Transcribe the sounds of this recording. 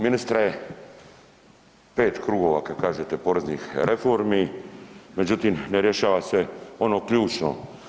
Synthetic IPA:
minist̪ɾaje | pe̞ːt̪kɾuɡo̞ʋa̰kad̪kaːʒet̪epo̞ːɾeznixɾefo̞ɾmi | me̞d͡ʑut̪imneɾjeʃaːʋaseo̞nokʎuːt͡ʃno̰

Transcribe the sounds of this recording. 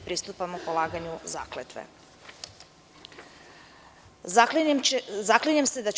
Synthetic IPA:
pɾiːst̪upamupolˠaːɡaɲuza̰ːklet̪ʋḛ | zakliɲamsed̪at͡ʃ

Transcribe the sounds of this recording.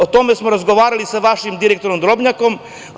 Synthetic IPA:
ot̪o̞me̞smoɾazɡo̞ʋaːɾalisaʋaʃimd̪iɾekt̪o̞ɾomd̪ɾo̞bɲako̞m

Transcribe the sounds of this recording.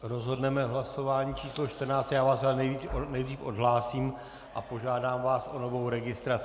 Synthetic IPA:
ɾozɦodnɛmɛɦlaso̞vaːɲiːt͡ʃʰiːslo̞ʃt̪r̩naːt͡st̪jaːvaːsalnɛjvinɛjd̪riːfo̞dɦlaːsiːm | ʔa̰po̞ʒaːdaːmvaːsʔo̞no̞vo̞wɾɛɡɪst̪ɾat͡s

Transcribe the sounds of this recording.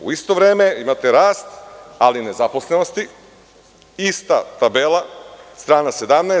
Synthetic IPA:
ṵist̪o̞ʋɾe̞ːme̞imat̪eɾaːst̪aline̞zapo̞sleno̞st̪i | ist̪at̪abelˠast̪ɾaːnase̞d̪amna

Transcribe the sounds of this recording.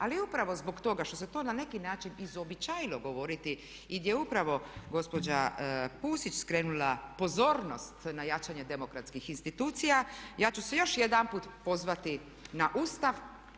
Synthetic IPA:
aliupɾaʋo̞zbo̞ɡt̪o̞ɡaʃt̪o̞set̪o̞ːnane̞kinaːt͡ʃinizobit͡ɕajiloɡo̞ʋo̞ɾit̪i | iɡd̪jeupɾaʋo̞ɡo̞spo̞d͡ʑapuːsit͡ɕskɾeːnulapo̞zo̞ːɾno̞st̪najat͡ʃaɲed̪e̞mo̞kɾat̪skixinst̪it̪uːt̪sijajaːt͡ɕusejo̞ʃjed̪ampuːt̪po̞zʋat̪i | naʔuːst̪aʋ

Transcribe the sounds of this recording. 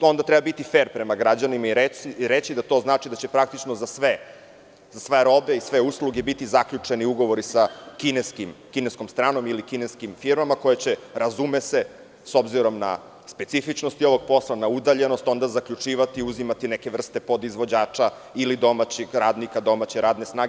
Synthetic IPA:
o̞nd̪at̪ɾɛbabit̪ifeːɾpɾemaɡɾad͡ʑanimaiɾeiɾet͡ɕid̪at̪o̞znaːt͡ʂid̪at͡ɕe̞pɾak̚t̪it͡ʂnozasʋe | zasʋeɾo̞be̞isʋe̞usluɡe̞bit̪izakʎut͡ʂe̞niuɡo̞ʋo̞ɾisakineskimkinesko̞mst̪ɾaːno̞milikineskimfiɾmamako̞jet͡ɕe̞ɾazume̞se̞ | so̞bziɾo̞mna̰ | spe̞t̪sifit͡ʃnost̪io̞ʋo̞ɡ̚po̞slˠanaud̪aʎe̞no̞st̪o̞nd̪azakʎut͡ʂiːʋat̪iuzimat̪ineke̞ʋr̩st̪e̞po̞d̪izʋo̞d͡ʑaːt͡ʂa | ilid̪o̞mat͡ɕeɡɾaːd̪nikad̪o̞mat͡ɕeɾaːd̪ne̞snaːɡ

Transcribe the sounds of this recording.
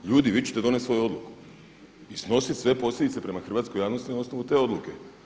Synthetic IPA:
ʎuːd̪iʋit͡ɕe̥t̪eo̞ne̞t̪sʋo̞juo̞d̪luku̥ | isno̞sit̪sʋe̞po̞slʲʎed̪it̪se̞pɾemaxr̩ʋaːt̪skojaːʋnost̪ino̞snoʋut̪e̞o̞d̪luke̞

